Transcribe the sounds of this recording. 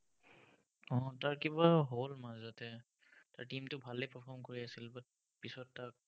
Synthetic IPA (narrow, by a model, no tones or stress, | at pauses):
ɔ̃taɹkibaɦolmazatɛ | taɹtimtʊbʱalɛpəpʰɔɹmkoɹiasilbat̚ | pisɔtːak̚